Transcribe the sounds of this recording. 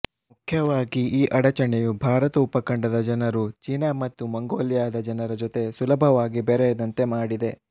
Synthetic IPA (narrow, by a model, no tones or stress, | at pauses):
mukʰjɐʋaːɡiiːʔɐɽɐt͡ʃɐɳejubʱaːɾɐt̪ɐupːɐkɐɳɖɐd̪ɐd͡ʒɐnɐɾut͡ʃiːnamɐt̪ːumɐŋɡoːljaːd̪ɐd͡ʒɐnɐɾɐd͡ʒot̪e̞sulɐbʱɐʋaːɡibeɾɛjɛd̪ɐnt̪e̞maːɽid̪e̞